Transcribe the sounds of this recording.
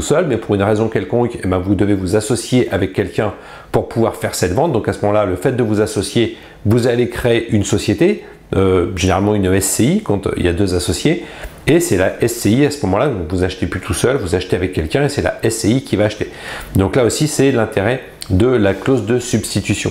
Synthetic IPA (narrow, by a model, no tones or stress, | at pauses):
usœlmɛpuʁynʁezɔ̃kʲɛlkɔ̃kebɛ̃vud̪əvevuzasɔsjeʔavɛkʲːɛlkʲɛ̃ | puʁpuvwaʁfɛʁsɛt̪vɑ̃t̪̚d̪ɔ̃kasəmɔmɑ̃laləfɛt̪̚d̪əvuzasɔsje | vuzalekχeːʔynsɔsjet̪e | øʒeneʁalmɑ̃ynɛsːeikɑ̃t̪ḭljad̪øzasɔsjeesɛlaʔɛsːeiasəmɔmɑ̃lad̪ɔ̃kvuzaʃt̪eplyt̪ʰusœlvuzaʃt̪eavɛkʲːɛlkʲɛ̃esɛla̰ʔɛseikʲivaːʃt̪e | d̪ɔ̃klaosisɛlɛ̃t̪eʁɛ | d̪əlaklozd̪əsybst̪it̪ysjɔ̰̃